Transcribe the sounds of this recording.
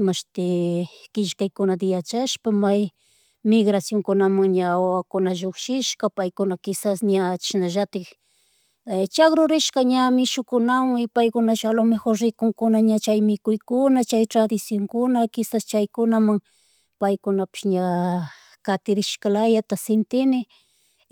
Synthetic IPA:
maʃt̪ɪkɪʃkajkʊnad̪ɪjat͡ʃaʃpamaj | mɪɡɾasjoŋkʊnamaŋɲaawakʊnaʒokʃɪʃkapajkʊnakɪsasɲat͡ʃɪ̥ʃnaʒat̪ɪ | t͡ʃakɾʊɾɪʃkaɲamɪʃʊkʊnawaŋɪpajkʊnaʃalomexoɾɾɪkʊŋkʊnaɲat͡ʃajmɪkʊjkʊnat͡ʃajt̪ɾad̪ɪsjoŋkʊnakɪsast͡ʃajkʊnamaŋ | pajkʊnapɪ̥ʃɲa | kat̪ɪɾɪʃkalajat̪asɪnt̪ɪnɪ

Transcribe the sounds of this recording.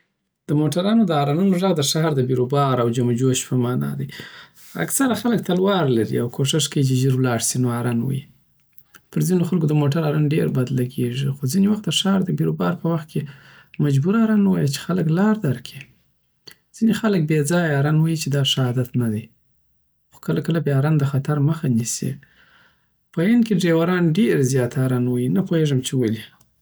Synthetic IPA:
d̪̥əmoʈaɾɑnod̪əɑɾɑnunoʐaɣd̪əʃɑhɾd̪əbiɾobɑɾawd͡ʒamd͡ʒoʃpəmɑnɑ̰d̪i | a̰ksaɾaxalək̚t̪alwɑɾlaɾḭawkʰoʂɪʂkawit͡ʃeʒəɾwlɑɽsinoɑɾɑnwa̰ji | pəɾzinoxalkod̪əmoʈaɾɑɾanɖeɾbad̪laɡeʐixozinewaxt̪̚d̪əʃɑɾd̪əbiɾobɑɾpəwaxt̪̚kʰe | mad͡ʒbuɾaɾanwajat͡ʃe̥xaləklɑɾd̪aɾkʰi | z̥inexalək̚bed͡zɑjɑɾanwajit͡ʃed̪ɑʂahɑd̪at̪nad̪aj | xo̥kəlakəlabeaɾand̪əxat̪aɾməxanisḭ | pəenkeɖɾewaɾɑnɖeɾzjɑt̪aɾanwajinapoheʐəmt͡ʃewəli

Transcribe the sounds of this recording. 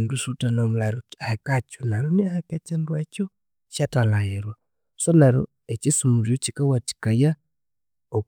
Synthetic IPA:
ndusutanamulaɾohakat͡ʃunaɾuniahakat͡ʃandwat͡ʃɔ | ʃatalajɛɾwa | sɔlaɾo | et͡ʃisumuɾiot͡ʃikawati̥kaja | o

